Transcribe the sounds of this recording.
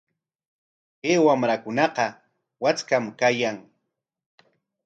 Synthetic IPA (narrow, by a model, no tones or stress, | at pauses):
keːwamɾakʊnɑqɑ | wat͡skamkajaŋ